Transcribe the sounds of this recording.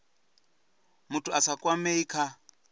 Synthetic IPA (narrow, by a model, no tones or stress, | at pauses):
mutʰuasakʼwameikʰa